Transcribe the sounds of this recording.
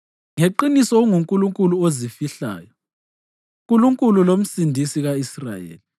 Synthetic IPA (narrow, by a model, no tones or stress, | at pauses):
ŋeǃinisɔŋuŋkʼuluŋkʼuluozifiɬa̰ːjɔ | ŋk̬ʼuluŋkʼululom̩sindʱisiɣaisra̰jḛːli